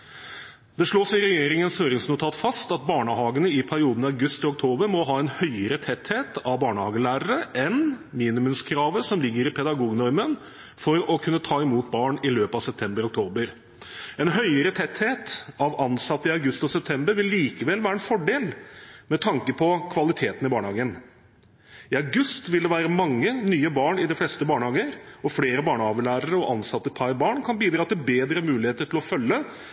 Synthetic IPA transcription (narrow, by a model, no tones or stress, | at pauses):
d̪̥ɛʂɭoːsɪɾɛjeːɾɪŋənshøːɾɪŋsnʊt̪ʰɑːt̪fɑst̪ɑt̪̚bɑːɳəhɑːɡənəɪpʰæɾɪuːd̪n̩ɑʉɡʉst̪ʰɔk̚t̪ʰoːbəɾmɔɦɑːɛnhœʏəɾət̪ʰɛt̪heːt̪ɑʋbɑːɳəhɑːɡəlæːɾəɾəʔɛnmiːnɪmʉmskʰɾɑːʋəsɔmlɪɡːəɾɪpʰɛd̪ɑɡuːɡnɔɾmən | fɔɾɔkʰʉnːət̪ʰɑːɪmuːt̪̚bɑːɳɪløːpəɑʋsɛp̚t̪ʰɛmbəɾɔk̚t̪ʰoːbəɾ | ɛnɦœʏəɾət̪ʰɛt̪heːt̪ɑʋɑnsɑt̪ːəɪɑʉɡʉst̪ɔsɛp̚t̪ʰɛmbəɾʋɪlːiːkəʋɛlʋæːɾəɛnfɔɖeːlmɛt̪ʰɑŋkəpʰɔkʰʋɑlɪt̪ʰeːt̪ənɪbɑːɳəhɑːɡən | ɪɑɡʉst̪ʋɪld̪ɛʋæːɾəmɑŋːənyːəbɑːɳɪd̪ɪflɛst̪əbɑːɳəhɑːɡəɾɔfleːɾəbɑːɳəɑːʋəɭæːɾəɾəɔʔɑnsɑt̪ːəpʰɑɾbɑːɳkʰɑnbiːd̪ɾɑːt̪ɪlbeːd̪ɾəmʉːlɪheːt̪əʈʰɪlɔfœlːə